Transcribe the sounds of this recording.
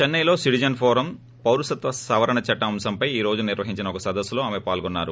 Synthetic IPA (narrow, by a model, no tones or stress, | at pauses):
t͡ʃɐnːɐjlo̞ːsiʈid͡ʒɐnɖpʰɔːɾɐm | pɐwɾusɐt̪ʋɐsɐʋɐɾɐɳɐt͡ʃɐʈːɐɐmsɐmpɐjiːɾo̞ːd͡ʒuniɾʋɐɦiɲt͡ʃinɐɔkɐsɐd̪ɐsːulo̞ːaːmepaːlɡɔnːaːɾu